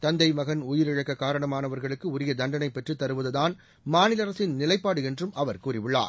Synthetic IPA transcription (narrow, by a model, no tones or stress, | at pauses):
t̪ɐnd̪ɐɪmɐɣɐnʊjɪɾɪɻɐkːɐkːaːɾɐɳɐmaːnɐʋɐɾɣɐɭɯkːɯʊɾɪjɐd̪ɐnɖɐnɐɪpːɛʈrɯt̪ːɐɾɯʋɐðɯðaːn | maːnɪlɐɾɐsɪnnɪlɐɪpːaːɽɯɛndrɯmʔɐʋɐɾkuːrɪʋɯɭːa̰ːɾ